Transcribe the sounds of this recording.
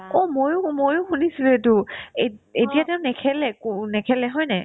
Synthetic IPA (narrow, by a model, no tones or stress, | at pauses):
ɔmojʊmojʊxunisiletueetijatɛʊnɛkʰɛlɛkunɛkʰɛlɛɦɔjnɛ